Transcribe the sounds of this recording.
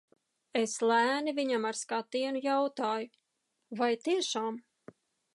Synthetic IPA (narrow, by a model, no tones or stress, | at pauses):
eslæːnivʲiɲamaɾskat̪iɛnujawt̪aːju | vajt̪iɛʃaːm